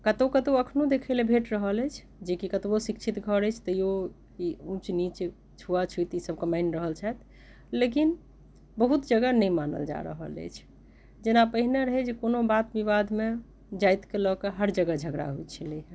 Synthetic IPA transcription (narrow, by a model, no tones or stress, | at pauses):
kət̪okət̪oəkʰnud̪ekʰəelebʱeʈɾəɦəlɛt͡ʃʰ | d͡ʒekikət̪bosikt͡ʃʰit̪ɡʱəɾəjt͡ʃʰt̪əjo | iũt͡ʃnit͡ʃ | t͡ʃʰuat͡ʃʰujt̪isəb̚kəmaɪnɾəɦəlt͡ʃʰat̪ | lekin | bəɦut̪d͡ʒəɡənəjmanə̰ld͡ʒa̰ɾə̰ɦə̰lə̰jt͡ʃʰ | d͡ʒenapəɦineɾəɦɛd͡ʒekonobat̪biβad̪ʱme | d͡ʒajt̪kelɔkeɦəɾd͡ʒəɡəd͡ʒʱəɡɾa̰ɦujt͡ʃʰəli